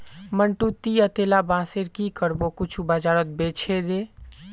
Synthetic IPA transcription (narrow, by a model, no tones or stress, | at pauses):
məɳʈut̪iət̪eːlabãːseɾkikəɾbokʊt͡ʃʰubəd͡ʒaːɾət̪̚bet͡ʃʰed̪e